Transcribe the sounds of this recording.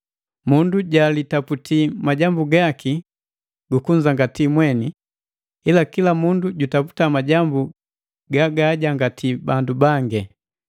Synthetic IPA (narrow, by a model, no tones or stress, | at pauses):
munduɟalitaputʰimaɟambuɡaki | ɡukuɲd͡ʒaŋɡatimwɛni | ilakilamunduɟutapu̥tamaɟambu | ɡaɡaɟaŋɡatʰibandubaŋɡɛ